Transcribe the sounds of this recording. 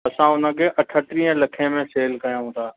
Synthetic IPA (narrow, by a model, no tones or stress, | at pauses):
ɐsãʊn̤ə̃kʰeːʔɐʈʰəʈ̪ɾiɦə̃lɐkʰĩmẽseːlkɐjãũt̪ʰaː